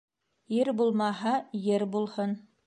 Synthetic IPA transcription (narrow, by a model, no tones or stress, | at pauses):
jɘɾbulˠmɑɦɑjɘɾbulˠhɤn